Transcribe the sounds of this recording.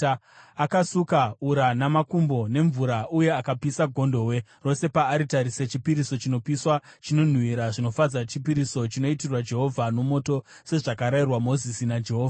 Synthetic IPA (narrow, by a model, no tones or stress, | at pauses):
akasukauɾanamakumbo̞ne̞ɱvuɾaʔuje̞akapisaɡʱo̞ndo̞we̞ro̞se̞paːɾitaɾiset͡ʃipiɾiso̞t͡ʃino̞piswat͡ʃino̞n̤uwiɾaʐino̞fad͡zat͡ʃipiɾiso̞t͡ʃino̞itirwad͡ʒe̞ɦo̞vʱano̞mo̞to̞ | se̞ʐakaɾairwamo̞zisinad͡ʒe̞ɦoːva